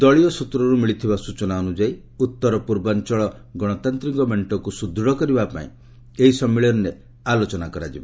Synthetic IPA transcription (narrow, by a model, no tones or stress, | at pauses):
d̪ɔɭiɔsut̪ɾɔɾumiɭit̪ʰibasut͡ʃɔnaɔnud͡ʒai | ut̪ːɔɾɔpuɾbant͡ʃɔɭɔ | ɡɔɽ̃ɔt̪ant̪ɾiŋkɔmeɳʈɔkusud̪ʱɔɽɔkɔɾibapa̰ḭ̃ | eɦisɔmːiɭɔɾɔne | alot͡ʃɔnakɔɾad͡ʒibɔ